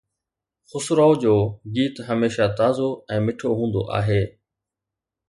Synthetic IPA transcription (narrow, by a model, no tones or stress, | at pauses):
xʊsʊɾaːod͡ʑoːɡiːt̪ɦəmeːʃaːt̪aːzoːɛ̃ːmɪʈʰoːɦũːnd̪o̰ːʔa̰ːɦeː